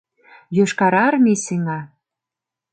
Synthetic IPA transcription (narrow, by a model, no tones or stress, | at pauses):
jøʃkɑɾɑrmiseŋɑ